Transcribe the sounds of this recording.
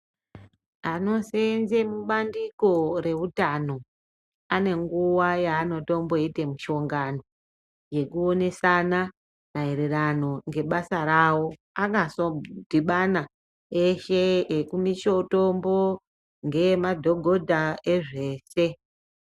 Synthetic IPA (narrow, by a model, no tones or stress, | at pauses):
ano̞senzemuɓandiko̞re̞rutano̞ | ane̞ŋɡuwajaːno̞to̞mbo̞ete̞muʃo̞ŋɡano̞ | je̞kuo̞ne̞sana | naeɾerano̞ŋɡe̞ɓasaɾawo̞ | akasodʱiɓana | eʃeekumiʃo̞to̞mbo̞ | ŋɡe̞madʱo̞ɡʱo̞dʱaeʐe̞ːse̞